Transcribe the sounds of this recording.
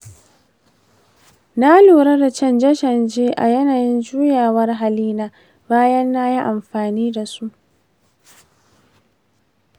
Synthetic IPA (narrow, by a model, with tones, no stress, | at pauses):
na˦luː˨ɾɐ˦da˨t͡ʃɐ˦nd͡ʒɐ˦ʃɐ˨nd͡ʒeː˦ʔa̰˨jɐ˦naː˨jɪ˦nd͡ʒuː˦jaː˨wɐ˦rɦa˨liː˦naː˦ | baː˦jɐ˦nːa˦ji˦ʔa˨mɸaː˨niː˦da˨su˦ʔ